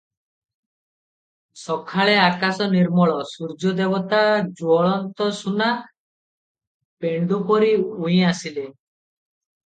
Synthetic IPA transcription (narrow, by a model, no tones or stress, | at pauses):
sɔkʰaɭeakasɔniɾmɔɭɔsuɾd͡ʒɔd̪ebɔt̪ad͡ʒwɔɭɔnt̪ɔsuna | peɳɖupɔɾiuj̃asile